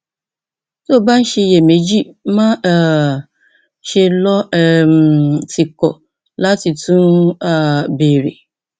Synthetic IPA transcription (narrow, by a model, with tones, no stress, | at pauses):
so˦˨ba˦n̩˦ɕɛ˦jɛ˨mẽ˨d͡ʒi˦mã˦a˨ | ʃe˦lɔ˦ɛ˨mtʰi˨kɔ̰˨ | la˦ti˨tʰũ˦na˨be˨ɾḛ˨